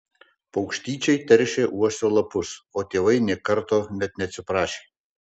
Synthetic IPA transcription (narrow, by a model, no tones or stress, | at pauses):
pɐʊkʃʲt̪ʲiːt͡ʃʲɛɪt̪ʲɛɾʲʃʲeːʔuɔsʲt̪ʲoːlˠɐpʊsoːt̪ʲeːʋɐɪnʲɛːkɐɾˑt̪oːnʲɛt̪̚nʲɛt̪sʲɪpɾɑːʃʲeː